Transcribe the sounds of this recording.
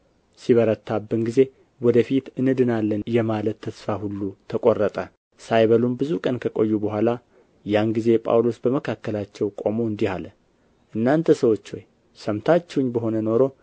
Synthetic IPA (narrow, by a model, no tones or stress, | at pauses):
siβəɾət̪ʰːabːɨnɡize̞ | wɔd̪əfit̪ʔɨnɨd̪ɨnalːənjɛmalət̪ʰːəsfahulːut̪ʰəkʼorːət̪ʼə | sajβəlumbɨzukʼənkʰəkʼojːubəɦʷala | janɡize̞pʼa̰wlo̞sbəməkʰakːəlat͡ʃːɛwkʼomoɨnd̪ihalə | ʔɨnːant̪ʰəsəwo̞t͡ʃːwoj | səmt̪ʰat͡ʃːɛwɲːbəɦo̞nəno̞ɾo̞